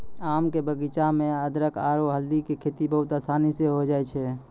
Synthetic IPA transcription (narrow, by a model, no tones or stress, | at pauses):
aːmkebəɡit͡ʃamẽəd̪ɾəka̰ːɾoɦəld̪ikikʰeːt̪ibəɦʊt̪aːsaːniseɦod͡ʒaːɛt͡ʃʰɛ